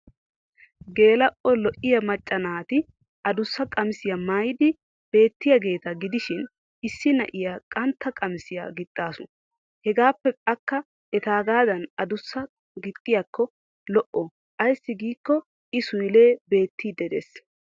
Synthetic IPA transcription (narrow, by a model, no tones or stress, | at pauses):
ɡe̞ːlɐʔɔlɔʔɪjɐmɐt͡ʃʼːɐnaːt̪ɪ | ɐd̪ʊsːɐkʼɐmɪsɪjɐmajd̪ɪ | b̥e̞ːt̪ːɪjɐɡe̞ːt̪ɐɡɪd̪ɪʃɪn | ɪsːɪnɐ̰ʔɪjakʼɐnt̪ːɐkʼɐmɪsɪja̰ɡɪt̪ʼːaːsʊ | hɛɡaːpːɛkʼɐkːɐ | ɛt̪aːɡaːd̪ɐnɐd̪ʊsːɐ | ɡɪt̪ʼːɪjakːɔ | lɔʔɔ | ʔɐjsːɪɡiːkːɔ | ʔɪsʊjle̞ːbe̞ːt̪ːid̪ɛd̪ḛs